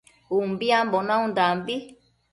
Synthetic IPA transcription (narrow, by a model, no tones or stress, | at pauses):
umbiãmbonãũnd̪ambi